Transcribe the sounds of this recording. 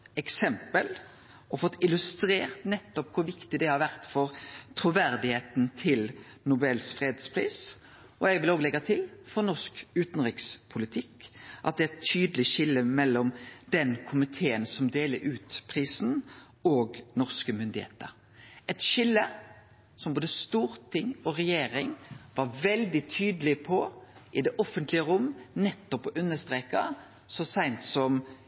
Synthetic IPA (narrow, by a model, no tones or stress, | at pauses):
ɛksɛmpəl | ɔfɔt̪ːɪlʉst̪ɾeːʁt̪nɛt̪ːɔp̚kʰʊɾʋɪkt̪ɪd̪ɛhɑɾʋæʁt̪fɔɾt̪ʰɾʊʋæɾd̪ɪheːt̪nt̪ʰɪl | nʊbɛlsfɾeːd̪spʰʁiːs | ʔɔjɛɡʋɪloːɡlɛɡɑt̪ʰɪlfɔɾnɔʁskʉːt̪n̩ɾɪkspʰʊlɪt̪ʰɪkːʔɑt̪̚d̪ɛɛt̪ʰyːd̪əlɪʃɪlːəmɛlːɔmd̪̥ɛnkʰʊmɪt̪ʰeːənsɔmd̪eːləɾʉːt̪pʰʁiːsn̩ | oːɡnɔʁskəmʏnd̪ɪhḛːt̪ə̰ɾ | ɛt̪ʃɪlːə | sɔmboːd̪əst̪uːɾt̪ʰɪŋɔʁɛjeːɾɪŋʋɑʋɛld̪ɪt̪ʰyːd̪əlɪpʰɔʔɪd̪ɛʔɔfənt̪lɪəɾʊmːnɛt̪ːɔpɔʔʉnːəst̪ʁeːkɑ | sɔsæɪnt̪sɔm